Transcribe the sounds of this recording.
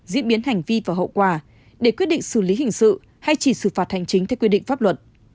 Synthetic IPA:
zḭ˧˥ənɓi˨˦ənha˨˩jŋ̟vi˧vaː˨˩ɦo̰˧˨wkwaː˧˩ | ɗe˧˩kwt̚ɗḭ˧˨ŋsɨ˧˩li˨˦hï˨˩ŋ̟sɨ̰˧˨ | ha˧jt͡ɕi˧˩sɨ˧˩faː˨˩t̚ha̰˨˧˩jŋ̟t͡ɕï˨˦ŋt̪ʰɛ˧wkwi˧ɗḭ˧˨ŋfaː˦˥p̚lwə˨˩t̚

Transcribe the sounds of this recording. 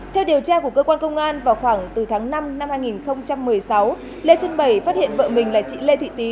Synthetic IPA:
t̪ʰɛ˧wɗi˨˩əwt͡ɕaː˧ku˧˩əkə˧kwaː˧nkə˧wŋ͡mʔaː˧nvaː˨˩wxwaː˧˩ŋt̪ɨ˨˩t̪ʰaː˨˦ŋna˧mna˧mhaː˧jŋi˨˩nxə˧wŋ͡mt͡ɕa˧mːɨ˨˩əjsa˨˦w | le˧swə˧nɓə˨˩jfa˦˥t̚hḭ˧˨ənvə̰ː˧˨mï˨˩ŋ̟laː˨˩t͡ɕḭ˧˨le˧t̪ʰḭ˧˨t̪i˨˦

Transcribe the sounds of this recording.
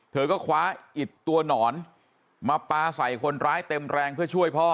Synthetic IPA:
t̪ʰɤː˧kɔː˥˩kʰwaː˦˥ʔi˨˩t̪ːu˧ɐnɔː˩˦n | maː˧paː˧sa˨˩jkʰo˧nɾaː˦˥jt̪e˧mɾɛː˧ŋpʰɯ˥˩ɐt͡ɕʰu˥˩əjpʰɔː˥˩

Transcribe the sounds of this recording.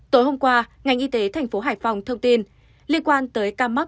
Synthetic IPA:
t̪o˨˦jɦo˧mkwaː˧ŋa˨˩jŋ̟ʔi˧t̪e˨˦t̪ʰa˨˩jŋ̟fo˨˦ɦaː˧˩jfa˨˩wŋ͡mt̪ʰə˧wŋ͡mt̪i˧n | li˧ənkwaː˧nt̪əː˨˦jkaː˧ma˦˥k̚

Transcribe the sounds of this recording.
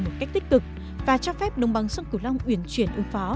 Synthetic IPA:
mo˨˩t̚ka˦˥jk̚t̪i˦˥k̟̚kɨ˨˩k̚ | vaː˨˩t͡ɕɔ˧fɛ˦˥p̚ɗə˨˧wŋ͡mɓa˨˦ŋsə˧nkɨ˧˩la˧wŋ͡mʔwi˧˩ənt͡ɕwi˧˩ənʔɨ˨˦əŋfɔ˨˦

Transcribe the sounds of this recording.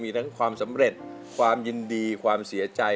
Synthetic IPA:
miː˧t̪ʰa˦˥ŋkʰwaː˧msa˩˦mɾe˨˩t̪̚ | kʰwaː˧mji˧ndiː˧kʰwaː˧msi˩˦ɐt͡ɕa˧

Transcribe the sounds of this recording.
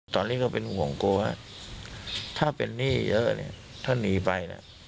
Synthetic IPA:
t̪ɔː˧nːiː˦˥˩kɔː˥˩pe˧nhu˨˩˦əŋkoː˧waː˥˩ | t̪ʰaː˥˩pḛ˧nːiː˥˩jɤ˦˥ʔnḭ˥˩ɐt̪ʰaː˥˩niː˧pa˧jna̰˦˥˩

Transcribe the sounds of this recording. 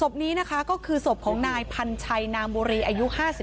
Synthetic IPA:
so˨˩p̚niː˦˥na˦˥kʰa˦˥kɔː˥˩kʰɯː˧so˨˩p̚kʰɔː˩˦ŋnaː˧jpʰa˧nt͡ɕʰa˧jnaː˧mbuː˧ɾiː˧ʔaː˧ju˦˥ʔhaː˥˩si˨˩

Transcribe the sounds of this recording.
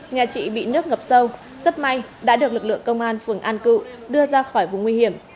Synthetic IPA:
ɲaː˨˩t͡ɕḭ˧˨ɓḭ˧˨nɨ˦˥ək̚ŋə˨˩p̚sə˧w | zə˦˥p̚ma˧jɗa̰ː˧˥ɗɨ˨˩ək̚lɨ˨˩k̚lɨ̰˧˨əŋkə˧wŋ͡mʔaː˧nfɨ˨˩əŋʔaː˧nkɨ̰˧˨ɗɨ˧əzaː˧xɔ˧˩jvṵ˧˨ŋwi˧hi˧˩əm

